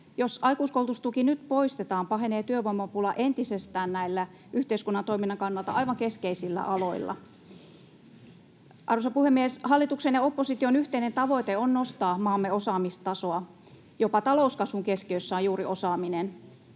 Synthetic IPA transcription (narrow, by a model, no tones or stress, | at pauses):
josɑjkuːskoulˠt̪ust̪ukinyt̪po̞ist̪et̪ɑːmpɑɦeneːt̪yøʋoimːɑpulɑʔent̪isest̪æːnnæilːæ | ʔyht̪eiskunːɑnt̪o̞iminːɑŋkɑnːɑlt̪ɑ̰ʔɑjʋɑŋkeskeisilːæ̰ʔɑlo̞ilːɑ̰ | ʔɑrusɑpuhemːieshɑlːit̪uksenjɑopːosit̪ionyht̪einent̪ɑʋo̞it̪eonnost̪ɑːmɑːmːeosɑːmist̪ɑso̞ɑ | jopɑt̪ɑlo̞ˑuskɑsuŋkeskiøsːæojuːriʔo̞sɑːminen